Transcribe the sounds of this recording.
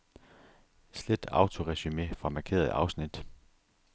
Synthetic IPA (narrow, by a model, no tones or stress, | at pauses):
sled̥ɑ̈ʊt͡sʰo̝ʁɛsymefʁɑ̈mɑ̈kʰe̝̰ːɐð̩ˠɑ̈ʊsnid̥